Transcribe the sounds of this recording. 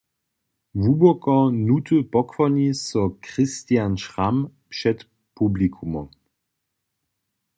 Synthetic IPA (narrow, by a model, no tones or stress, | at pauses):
vubɔkɔnut̪əpɔkfɔɲisɔkʁɪst̪janʃʁampʃɛt̪ | publikʰumɔm